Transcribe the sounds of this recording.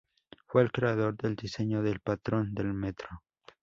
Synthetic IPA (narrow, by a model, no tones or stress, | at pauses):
fweːlkɾeaðoɾd̪eld̪iseɲoðelpat̪ɾond̪elmet̪ɾo